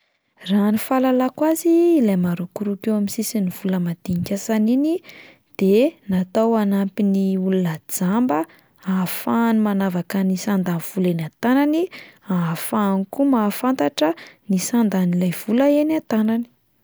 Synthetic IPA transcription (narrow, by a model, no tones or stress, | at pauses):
ranifalalakwaziːlajmaɾukuɾukewaminsisiniv̥uləmad̪̥iŋkʲasanini | d̪̥enat̪awanampiniulunəd͡zambə | afanimanavakənisand̪anv̥ulenat̪ananiafanikumafant̪aʈ͡ʂənisand̪anilajv̥uləenat̪anani̥